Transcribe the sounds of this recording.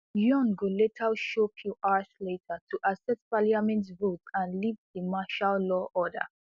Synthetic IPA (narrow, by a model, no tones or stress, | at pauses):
jɔ̃nɡoletʰalʃopʰjuʔaʃletʰətʰuʔasɛtpaliamɛ̃ntvotãnlivðəmaʃallɔʔɔdə̰